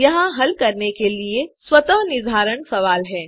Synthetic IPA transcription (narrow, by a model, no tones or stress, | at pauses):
jɐɦãɦɐlkɐɾnekelieswɐt̪əɦnɪd̪ʱaːɾəɳ̃sɐʋaːlɦɛː